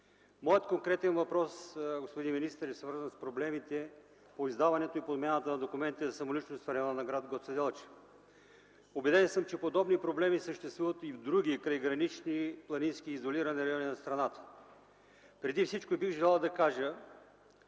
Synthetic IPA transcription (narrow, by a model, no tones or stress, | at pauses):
mɔjət̪koŋkɾɛt̪ɛnvɐpɾɔsɡospod̪inminist̪əɾɛsvɤɾzənspɾoblɛmit̪ɛ | poizd̪avɐnɛt̪oipod̪mɛnət̪ənɐd̪okʊmɛnt̪izɐsɐmolit͡ʃnost̪fɾɛjɔnɐnɐɡɾad̪ɡɔsɛd̪ɛlˠt͡ʃ | obɛd̪ɛnsəmt͡ʃɛpod̪ɔbnipɾoblɛmisəʃt̪ɛst̪vuvət̪ivd̪ɾuɡ̟ikɾəjɡɾɐnit͡ʃniplˠɐninskʲiːzoliɾɐnɛɾɐjɔninɐst̪ɾɐnat̪ə̥ | pɾɛd̪ifsit͡ʃkoibiɣʒɛlˠalˠd̪ɐkaʒə